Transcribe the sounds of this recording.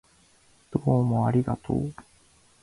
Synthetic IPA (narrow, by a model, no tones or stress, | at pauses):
d̪̥oːmo̞aɾʲiɡat̪ʰo̰ː